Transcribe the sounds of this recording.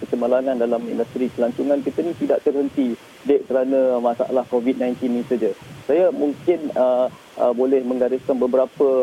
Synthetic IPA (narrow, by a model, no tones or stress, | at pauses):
kət͡ʃəmalaŋãndalamḭndəst̪ɾikəlaɲt͡ʃuŋãnkit̪ənĩt̪idaʔt̪ərɦənt̪i | dɛʔ̚kəɾanãmasa̰ʔa̰lahkovit̪̚nãjnt̪inːĩsad͡ʒəsajamuŋkɪnə | ə̰bolɛhmə̃ŋɡaɾɪskanbəbəɾapə